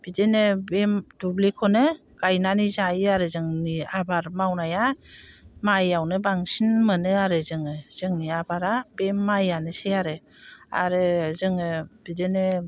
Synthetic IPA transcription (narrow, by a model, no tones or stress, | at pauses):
b̥idenɯbemdublekʰɔnɯ | ɡ̥ajnanizajaɾɯzɯŋniabaɾmawnaja | majawnɯbaŋsinmɯnɯaɾɯzɯŋɯz̥ɯŋniabaɾabemːajanɯseaɾɯ | a̰ɾɯzɯŋɯb̥idenɯ